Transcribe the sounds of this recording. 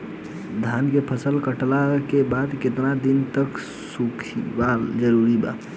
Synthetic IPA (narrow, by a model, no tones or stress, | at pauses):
d̪ʱankepʰəsəlkəʈlakebad̪ket̪nad̪int̪ək | sukʰbald͡ʒəɾuɾiba̰